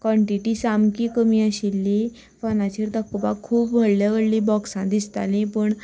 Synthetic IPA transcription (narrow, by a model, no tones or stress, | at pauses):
kʋɔɳʈiʈiːsamkiːkəmiːəɕilːi | fɔnat͡ɕiɾd̪əkba̰kʰuːpbʱəɽljaʋəɽlibɔksãd̪ist̪a̰lĩpəɳ